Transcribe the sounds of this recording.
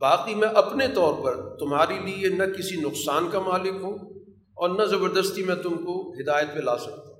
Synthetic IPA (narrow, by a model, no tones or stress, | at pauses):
baːqimɛ̃ʔɐpnet̪ɔːɾpɐɾt̪ʊmɦaːɾelienɐkɪsinʊqsaːnkamaːlɪkɦũ | ɔːɾnɐzɐbəɾd̪əst̪imɛ̃t̪ʊmkoɦɪd̪aːjət̪̚pelaːsɐk̚t̪ã